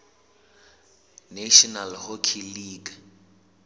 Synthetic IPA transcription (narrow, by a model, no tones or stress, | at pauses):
neʃɔnalhokʰiliːɡ